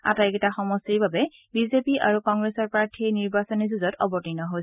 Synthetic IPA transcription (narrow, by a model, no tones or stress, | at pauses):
a̰tajkɛtaxɔmɔstiɹbabɛ | bizepiʔa̰ɹukɔŋɡɹesɔɹpɹaɹtʰiniɹbasɔnizuzɔtɔbɔtinɔɦo